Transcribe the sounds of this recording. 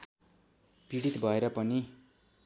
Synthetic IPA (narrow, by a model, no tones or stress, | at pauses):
piɽit̪bʱʌeɾʌpʌni